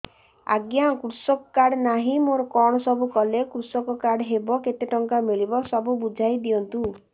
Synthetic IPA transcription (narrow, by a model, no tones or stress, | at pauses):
a̰ɡjakɾusɔkɔ̥kaɽnaɦĩmoɾɔkɔɽ̃ɔsɔbukɔlekɾusɔkɔkaɽɦebɔket̪eʈɔŋkamiɭibɔsɔbubud͡ʒʱajd̪iɔnt̪ũ